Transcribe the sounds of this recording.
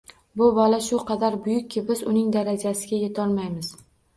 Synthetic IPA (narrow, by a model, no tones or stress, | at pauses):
bʊbɒlaʃʊqʰɑd̪aɾbʊjʊkʲʰːɪbɪzʊnɪŋd̪aɾad͡ʒasɪɡʲajet̪ʰɒɾmajmɪz